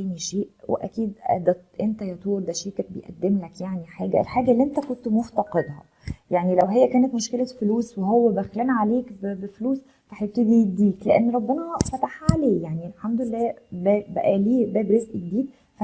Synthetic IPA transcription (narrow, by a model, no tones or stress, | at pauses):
æːniʃeːʔwḛʔæ̰kiːd̪æ̰d̪æʔent̪æjɑt̪uːɾd̪æʃeːkæbḛjʔæ̰d̪ːemlækjaʕniħaːɡæ̰ḛlħaːɡælːiːʔent̪ækont̪moft̪ɑqed̪hɑ̰ | jaʕnilæwɦejːækæːnæt̪moʃkelæfluːsweɦowːæbæxlæːnʕaleːkbbefluːs | faħjeb̚t̪ed̪ijebd̪iːkleʔænːɾˤɑbːenæfæt̪aħʕaleːjaʕnielħamd̪olelːæːbæbæʔæliːbæːbɾezʔɡed̪iːd̪̚ | fæ